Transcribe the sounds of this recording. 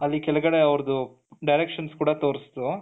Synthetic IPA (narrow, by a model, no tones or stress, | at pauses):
ɐlːikɛlɐɡɐɽe̞ɐʋɾɐd̪u | ɖɐjɾekʂɐnskuːɽɐt̪oːɾisd̪u